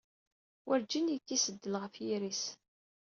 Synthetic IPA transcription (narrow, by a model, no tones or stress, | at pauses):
wʔəɾd͡ʒinjət͡sːisəd̪ːəlʁəfjiɾis